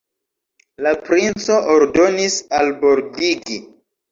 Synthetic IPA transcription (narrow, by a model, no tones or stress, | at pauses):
lapɾint͡so̞ʔoɾdo̞nisalbo̞ɾdiɡi